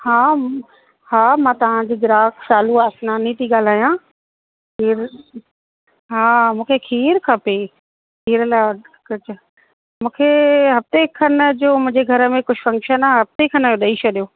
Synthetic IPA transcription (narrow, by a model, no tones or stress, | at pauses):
haː | haːmãt̪ɐʋ̤ãd͡ʑiːɡɪɾaːksaːluaːsnaːnit̪iɠaːl̤aːjã | kʰiːɾ | ɦaːmũːkʰekʰiːɾkʰɐpeː | kʰiːɾəla | kʊt͡ɕ | mũːkʰeɦɐft̪ekʰɐnd͡ʑoːmʊ̃ɦɪ̃ɲd͡ʑeɡʱɐɾə̆mẽkʊd͡ʑʰʱfɐ̃ŋkʃənaɦɐft̪ekʰɐnjoːɗɐit͡ɕʰɐɗijoː